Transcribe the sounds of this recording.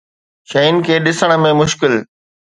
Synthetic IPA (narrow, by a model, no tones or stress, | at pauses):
ʃɐin̆kʰeːɗɪsəɽ̃ə̆mẽmʊʃkɪl